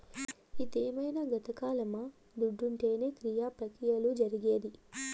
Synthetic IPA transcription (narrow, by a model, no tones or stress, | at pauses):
id̪eːmɐjnɐɡɐt̪ɐkaːlɐmɐ | d̪uɖːuɳʈe̞ːne̞ːkɾijaːpɾɐkɾijɐlud͡ʒɐɾiɡeːd̪i